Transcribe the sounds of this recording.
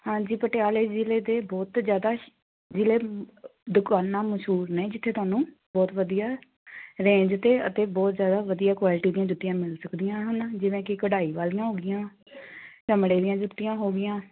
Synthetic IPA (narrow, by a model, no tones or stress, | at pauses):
hãːd͡ʒiːpəʈjaːleːd͡ʒɪleːd̪eːbɔːt̪d͡ʒjaːd̪aː | d͡ʒɪleːd̪ʊkaːnːaːməʃɦuːɾnɛ̃ːd͡ʒɪt̪ʰːeːt̪ʊaːnũː | bɔːt̪ʋəd̪ijaː | ɾẽːd͡ʒt̪eːət̪eːbɔːt̪zjaːd̪aːʋəd̪ijaːkʋaːlɪʈiːd̪ĩjãːd͡ʒʊt̪ːijãːmɪlsəkd̪ɪjãːɦənd͡ʒɪʋẽːkɪkəɽaːiːʋaːlɪjãːɦoːɡɪjãː | t͡ʃəmɽeːd̪ijãːd͡ʒʊt̪ːɪjãːɦoːɡɪjãː